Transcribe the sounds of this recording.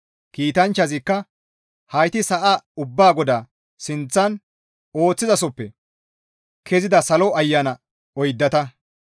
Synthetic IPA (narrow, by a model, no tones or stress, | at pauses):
kiːt̪ɐnt͡ʃːɐzɪkːɐ | hɐjt̪ɪsɐʔaʊbːaːɡɔd̪aː | sɪnt͡sːɐn | o̞ːt͡sːɪzɐsɔpːɛ | kʰɛzɪd̪ɐsɐlɔɐjːɐnɐ | ɔjd̪ːɐt̪ɐ